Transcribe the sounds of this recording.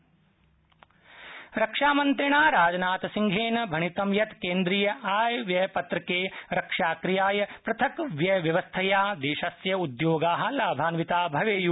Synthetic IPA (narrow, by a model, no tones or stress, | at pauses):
ɾɐkʂaːmɐnt̪ɾiɳaːɾaːd͡ʒɐnaːt̪ɐsiŋɡʱeːnɐbʱɐɳit̪ɐmjɐt̪keːnd̪ɾiːjɐʔaːjʋjɐpɐt̪ɾɐkeːɾɐkʂaːkɾijaːjɐpɾɐt̪ʰɐkʋjɐʋjɐʋɐst̪ʰɐjaːd̪eːʃɐsjɐud̪joːɡaːɦɐ̆laːbʱaːnʋit̪aːbʱɐʋeːju